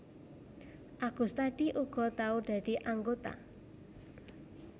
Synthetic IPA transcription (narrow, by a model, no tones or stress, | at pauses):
ʔaɡ̥ṳst̪aɖ̥iʔuɡ̥ɔ̤t̪aud̪̥ä̤d̪̥i̤ʔaŋɡot̪a̰